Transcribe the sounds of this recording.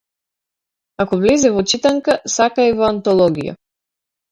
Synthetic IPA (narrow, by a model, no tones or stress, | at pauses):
akɔvlɛzɛvɔt͡ʃit̪aŋkasakaivɔant̪ɔlˠɔɡḭja̰